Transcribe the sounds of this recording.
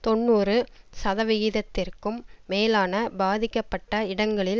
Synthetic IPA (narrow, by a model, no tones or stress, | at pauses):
t̪ɔnːuːɾɯsɐðɐʋɪɣɪðɐt̪ːɪrkɯmːeːlaːnɐbaːðɪkːɐpːɐʈːɐɪɽɐŋɡɐɭɪl